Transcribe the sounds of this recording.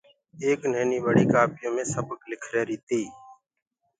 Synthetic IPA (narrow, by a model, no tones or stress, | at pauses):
eːknɛːniːbəɽiːkaːpɪjõːmẽːsəbəklɪkʰɾeːɾiːt̪iː